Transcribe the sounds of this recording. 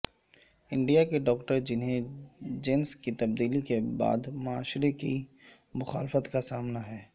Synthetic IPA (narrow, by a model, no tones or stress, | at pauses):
ɪ̃ɳɖijakeɖɔːkʈəɾd͡ʒɪnɦẽd͡ʒenskit̪ɐb̚d̪iːlikeba̰ːd̪mʊaːʃɾeki | mʊxa̰ːlfət̪kasaːmnaɦɛː